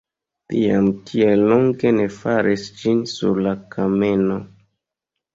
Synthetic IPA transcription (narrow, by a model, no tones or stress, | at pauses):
tia̰mtʰielːoŋɡe̞ne̞faɾʔisd͡ʒinsṵɾlakʰame̞no